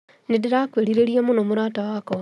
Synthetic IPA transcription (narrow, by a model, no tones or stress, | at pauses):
nidiɾakweːɾiɾeɾijamunomuɾaːtawako